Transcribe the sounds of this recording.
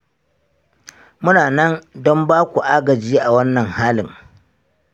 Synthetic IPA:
mʊ˦naː˨nɐ˦ndɔ˦mbaː˦kʷu˨ʔa˦ɡɐ˨d͡ʒiː˦ʔa˨wɐ˦nːɐ˨ŋhaː˦lɪ˨ŋ

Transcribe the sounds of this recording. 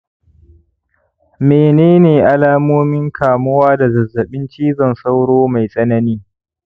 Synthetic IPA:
meː˨neː˦neː˨ʔa˦laː˦moː˦mɪ˦ŋkʰaː˨mʊ˦waː˦da˨zɐ˨zːɐ˨ɓɪ˦nt͡ʃiː˦zɐ˨nsa˦wɽoː˦ma˨jsʼɐ˦nɐ˦niː˦

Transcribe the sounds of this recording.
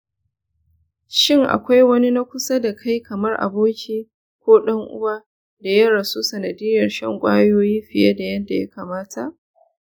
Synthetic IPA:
ʃɪ˦ŋʔa̰˨kʷa˦jwɐ˦ni˦na˦kʷʊ˦sa˦da˨kʰa˦jkʰɐ˨mɐ˦rʔa̰˨boː˦kʲʰiː˦˨ | kʷoː˦ɗɐ˦ŋʔʊ̰˦wa˦ | da˨jɐ˦ɽɐ˨su˦sɐ˨nɐ˨dɪ˦jɐ˨rʃɐ˦ŋkʷʼaː˦joː˦jiː˦ɸɪ˨ja̰˦da˨jɐ˦da˨ja˦kaː˨maː˦tʰa˨ʔ

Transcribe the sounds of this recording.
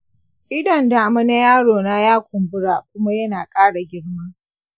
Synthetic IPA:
ʔɪ˦dɐ˨nda˨ʔa˨mɐ˦na˦jaː˦ɽoː˨naː˦jaː˦kʷʊ˨mbʊ˦ɽa˨kʷʊ˦ma˦jɐ˦naː˨kʼaː˦ɽa˨ɡʲɪ˦ɽma˦

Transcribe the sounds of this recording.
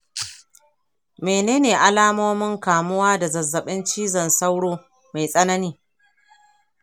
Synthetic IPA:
meː˨neː˦neː˨ʔa˦laː˦moː˦mɪ˦ŋkaː˨mʊ˦waː˦da˨zɐ˨zːɐ˨ɓɪ˦nt͡ʃiː˦zɐ˨nsa˦wɽoː˦ | ma˨jsʼɐ˦nɐ˦niː˦

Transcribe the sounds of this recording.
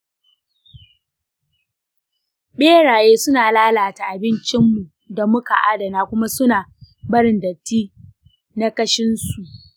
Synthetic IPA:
ɓeː˦ɽaː˨jeː˦sʊ˦naː˨laː˦laː˨ta˨ʔa˨bɪ˦nt͡ʃɪ˦mːu˨ | da˨mʊ˦ka̰˨ʔa˦dɐ˨naː˦kʷʊ˦ma˦sʊ˦naː˨ | bɐ˦ɾɪ˨ndɐ˨tːiː˦ | na˦kɐ˦ʃɪ˦nsu˨ʔ

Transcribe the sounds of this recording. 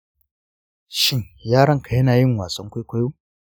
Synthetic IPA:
ʃɪ˦ŋjaː˦ɽɐ˦ŋka˨jɐ˦naː˨jɪ˦˨ŋwaː˨sɐ˦ŋkʷa˦kʷa˦joː˦

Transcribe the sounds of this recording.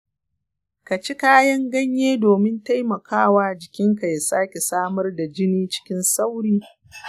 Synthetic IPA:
ka˨t͡ʃi˦kaː˦jɐ˦ŋɡɐ˦ɲjeː˦doː˨mɪ˦nta˦jmɐ˨kʰaː˦waː˦d͡ʒɪ˨kʲɪ˦ŋka˨ja˨saː˦kʲe˨saː˦mɐ˦rda˨d͡ʒɪ˦niː˦t͡ʃɪ̥˦kʲɪ˦nsa˦wɽiː˦

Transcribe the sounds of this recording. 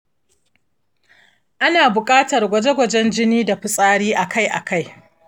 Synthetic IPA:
ʔa˦naː˨bʊ˨kʼaː˦tɐ˨rɡʷɐ˦d͡ʒe˦ɡʷɐ˨d͡ʒɛ˦nd͡ʒɪ˦niː˦da˨ɸʊ˨sʼaː˦ɽiː˦ʔa˨kʰa˦jʔa̰˨ka˦j

